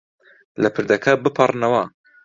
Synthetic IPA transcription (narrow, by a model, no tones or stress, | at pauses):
lɐpʰɨɾd̪ɐkʰɐbɨpʰɐrnɐwɐ